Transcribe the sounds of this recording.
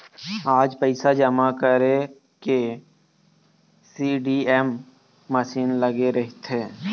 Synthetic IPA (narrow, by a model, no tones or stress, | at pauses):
aːd͡ʒpəɪsad͡ʒəmakəɾe | ke | siːɖiːɛmː | əʃiːnləɡeɾɐɦit̪ɦeː